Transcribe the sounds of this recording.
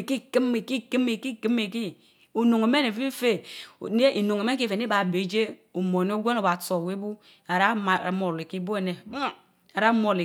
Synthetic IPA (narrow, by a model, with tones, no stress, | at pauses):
ki˦ki˦me˨ki˦ki˦me˨ki˦ki˦me˨ki˦ | o˨no˨ŋe˨me˦ne˨fi˦fe˦˨ne˦i˨no˨ŋe˨me˦ki˦fe˨ne˦a˨be˨˦d͡ʒe˦o˨mo˨n˦o˦ɡʷe˦no˨ba˨to˨we˦bu˦ | a˨ɾa˦a˨mo˨li˨ki˦bo˦e˨ne˨˦ | a˨ɾa˦mo˨li˨